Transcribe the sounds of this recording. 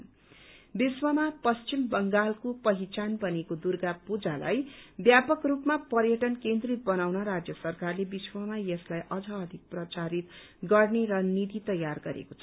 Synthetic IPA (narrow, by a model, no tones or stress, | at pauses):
biswʌmapʌst͡ʃimbʌŋɡalkopʌɦit͡sanbʌnekod̪urɡapud͡zala̰jbjapʌkrupmapʌrjʌʈʌnkend̪ribʌnawnʌɾad͡zjʌsʌrkarlebiswʌmajʌslajʔʌd͡zʌːd̪ʱik̚prʌt͡saɾit̪ | ɡʌrneɾʌnid̪it̪ʌjarɡʌɾḛkot͡sʰʌ